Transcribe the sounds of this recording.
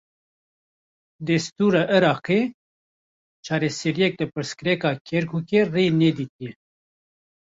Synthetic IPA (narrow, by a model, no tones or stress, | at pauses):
d̪ɛst̪uːɾɑːʔɨɾɑːqe | t͡ʃʰɑːɾesɛɾijɛk̚d̪ɨpɨɾskɨɾɛkɑːkʲʰɛɾkʰuːkereːnɛd̪iːt̪̚ijɛ